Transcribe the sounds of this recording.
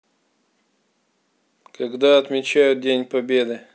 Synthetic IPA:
kɐɡd̪aɐt̪mʲɪt͡ɕajʊt̪̚dʲenʲpɐbʲed̪ɨ

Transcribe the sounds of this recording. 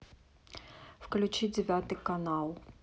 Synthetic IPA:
fklʲʉt͡ɕid͡zʲɪvʲat̪ɨkɐnalˠ

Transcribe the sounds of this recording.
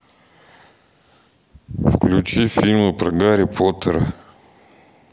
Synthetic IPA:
fklʲʊt͡ɕifʲilʲməpɾɐɡaɾʲɪpʰot̪əɾə

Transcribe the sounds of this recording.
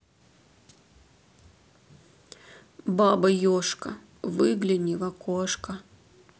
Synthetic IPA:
babɐjoʂkɐ̰ | vɨɡlʲɪnʲivɐkoʂkɐ

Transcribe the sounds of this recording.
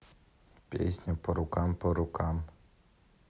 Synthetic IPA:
pʲḛsʲnʲipɔɾʊkampɔɾʊkam

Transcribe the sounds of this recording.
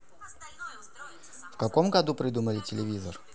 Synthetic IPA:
fkako̞mɡad̪upɾʲɪd̪uməlʲɪtʲɪlʲɪvʲizə̰r

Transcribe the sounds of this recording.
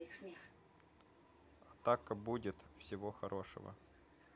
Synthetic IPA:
ixsmʲix | ɐt̪akəbudʲɪt̪fsʲɪvoxɐɾʔo̞ʂɨ̰və̰

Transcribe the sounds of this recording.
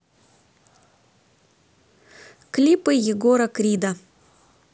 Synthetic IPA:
klʲipɨjɪɡoɾɐkɾʲid̪ɐ

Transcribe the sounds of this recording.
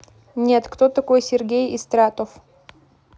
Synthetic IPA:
nʲet̪kt̪ot̪ɐkojsʲɪrɡʲejɪst̪ɾat̪of

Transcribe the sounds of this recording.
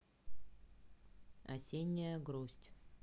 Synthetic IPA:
ɐ̰sʲenʲːɪjəɡɾusʲtʲ

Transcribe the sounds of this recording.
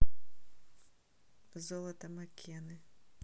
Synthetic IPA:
zɔlˠɐt̪ɐmɐkʲʰɛnɪ

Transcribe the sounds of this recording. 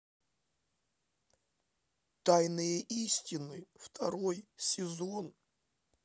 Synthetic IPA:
t̪ajnɨjɛʔisʲtʲinɨft̪ʰaɾo̞jsʲɪzon

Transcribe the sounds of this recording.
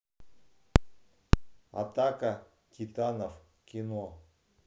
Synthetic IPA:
a̰t̪akə | tʲit̪anəf | kʲino

